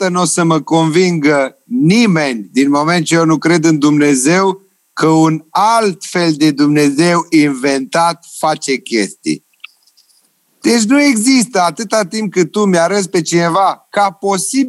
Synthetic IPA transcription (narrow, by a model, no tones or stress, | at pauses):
ənosəməko̞nviŋɡə | nime̞nʲd̪inmo̞me̞nt̪̚t͡ʃe̞jeonukɾe̞d̪ɨnd̪umne̞ze̞w | kəunalt̪feld̪e̞d̪umne̞ze̞winve̞nt̪at̪̚fat͡ʃe̞kʲe̞̰st̪ḭj | d̪̥e̞t͡ʃʲnue̞ɡzist̪əat̪ɨt̪at̪imp̚kɨt̪̚t̪ːumjaɾəspe̞t͡ʃine̞vakapo̞sib